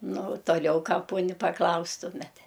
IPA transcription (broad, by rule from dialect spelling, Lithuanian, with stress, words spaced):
ˈnʊ ʊ toːˈlʲɛʊ ˈkɑː ˈpoːnʲɪ pɐˈklˠɐʊstʊmʲɛt